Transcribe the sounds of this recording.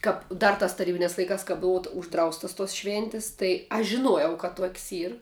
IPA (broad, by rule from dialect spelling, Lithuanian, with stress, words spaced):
ˈkɐp ˈdɐr tɐs tɐˈrʲiːbʲɪnʲɛs lˠɐɪˈkɐs kɐ ˈbʊʋʊ ʊʒˈdrɐʊstɐs toːs ˈʃʲʋʲeːnʲtʲɪs tɐɪ ˈɐʃ ʒʲɪˈnuɔjɛʊ kɐ ˈtuɔkʲsʲ ˈiːr